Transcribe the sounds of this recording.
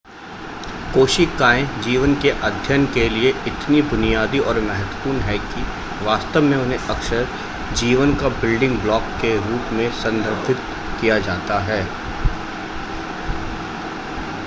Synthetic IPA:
koːʃikaːẽd͡ʒiːʋənkeʔɐd̪ʱjənkelieɪt̪nibʊnijaːd̪iɔːɾmɛɦət̪wəpuːnɦɛki | ʋaːst̪əʋmẽʊn̤ɦẽʔɐkʃəɾ | d͡ʒiːʋənkabɪlɖɪ̃ŋɡblɔːkːeɾuːʈmẽsɐ̃nd̪ʱəɾbʱɪt̪̚ | kijad͡ʒaːt̪aɦɛː

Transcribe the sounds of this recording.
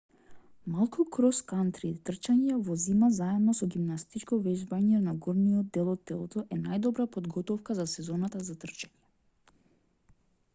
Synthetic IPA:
malˠkʰukɾɔskant̪ɾit̪r̩t͡ʃaɲɛvɔzimazaɛmnɔsɔɡimnast̪it͡ʃkɔvɛʒbaɲɛnaɡɔɾnijɔd̪̚ɛlˠɔt̪ːɛlˠɔt̪ɔʔɛnajd̪ɔbɾapɔd̪ɡɔt̪ɔfkazasɛzɔnat̪azat̪r̩t͡ʃaɲɛ

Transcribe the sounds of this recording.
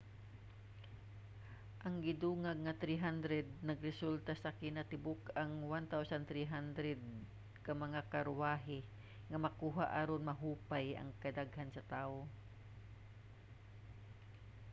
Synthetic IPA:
ʔɐŋɡɪd̪uːŋaɡ̚ŋat̪ɾiɦand̪ɾɛd̪̚nɐɡɾɛsult̪asakɪnɐt̪ɪbʊkaŋwant̪awsant̪ɾiɦand̪ɾɛd̪̚ | kamɐŋakɐɾʊwaːɦɪ | ŋɐmɐkuːɦaʔaɾonmɐɦuːpajʔɐ̰ŋkɐd̪aɡhansɐt̪aːʔo

